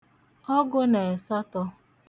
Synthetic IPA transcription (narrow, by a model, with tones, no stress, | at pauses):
ɔ˦ɡʊ˦ne˨e˨sa˦tɔ˦